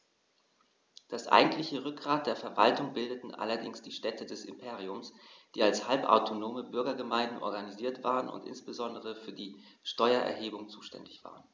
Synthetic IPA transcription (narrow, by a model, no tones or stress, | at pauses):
d̥asʔa̰ɪɡŋ̩tlɪçəʁʏk̚ɡ̥ʁaːt̚d̥eːɐfɛɐva̰ltʊŋbɪldətn̩ʔa̰lɐdɪŋsd̥iːʃtɛtədɛsɪ̰mpʰeːʁ̞iʊmsd̥iːalshalpa̰ʊtʰonoːməbʏɐɡɐɡəmaɪndn̩ʔɔ̰ɐɡaniziːɐtv̥a̰ːʁənʊ̰ntʔɪ̰nsb̥əzɔndəʁ̞əfyːɐdiː | ʃtɔʏɐʔɛ̰ɐɦeːbʊŋt͡suːʃtɛ̰ndɪçv̥a̰ːʁən